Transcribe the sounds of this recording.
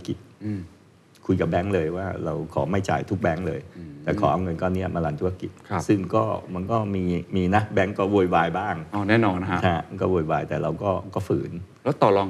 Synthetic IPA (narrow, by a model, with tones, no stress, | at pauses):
t̪ʰki˨˩t̪̚ː | kʰu˧jka˨˩bɛ˦˥ŋlɤː˧jwaː˥˩ɾa˧wkʰɔː˩˦ma˥˩jt͡ɕa̰ː˨˩jt̪ʰu˦˥k̚bɛ˦˥ŋlɤː˧jt̪ɛː˨˩kʰɔː˩˦ʔa˧wŋɤ˧nkɔː˥˩nːi˦˥ɐma˧laː˧nt̪ʰu˦˥˩a˧˥ki˨˩t̪̚kʰa˦˧˩sɯ˥˩ŋkɔː˥˩ma˧nkɔː˥˩miː˧miː˧na˦˥bɛ˦˥ŋkɔː˥˩wo˧˩jwaː˧jbaː˥˩ŋʔɔː˧˩nɛː˥˩nɔː˧n˦˥t͡ɕʰa˥˧˩kɔː˥˩wo˧jwaː˧jt̪ɛː˨˩ɾa˧wkɔː˥˩kɔː˥˩fɯː˩˦n | lɛː˦˥wt̪ɔː˨˩lɔː˧ŋ